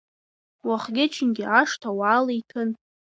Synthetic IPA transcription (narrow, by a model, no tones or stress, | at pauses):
waχɡʲɪt͡ʃʰɪnɡʲɪaʂtʰawaːlejtʰɨn